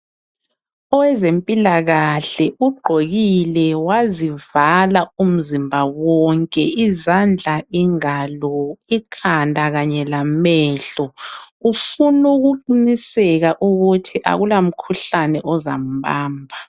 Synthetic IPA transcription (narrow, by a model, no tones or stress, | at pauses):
ɔwɛzempʼilaɣaɬɛuɡ͡ǃʱoɣilɛwazivalaum̩zimbʱawɔŋkʼɛizand͡ɮʱaʔiŋalɔikʰandʱaɣaɲɛlamɛɬɔ | ufunuɣuǃinisɛɣaʔuɣutʰiʔa̰ɣulam̩kʰuɬanɛʔɔza̰m̩baːmbʱa